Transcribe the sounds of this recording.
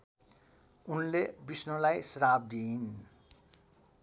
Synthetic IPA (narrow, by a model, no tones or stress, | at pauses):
unlebisnolajsɾab̚d̪in